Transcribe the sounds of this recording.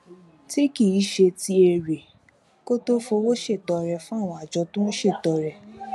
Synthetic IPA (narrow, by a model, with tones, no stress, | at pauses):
ti˦ki˦˨i˨˦ʃe˧ti˧e˧ɾe˨ | ko˦to˦fo˧wo˦ʃe˦˨tɔ˧ɾɛ˧fũ˦a˦˨w̃ɔ̃˧a˨d͡ʒɔ˧tũ˦ũ˦ʃe˦˨tɔ˨ɾɛ˧˨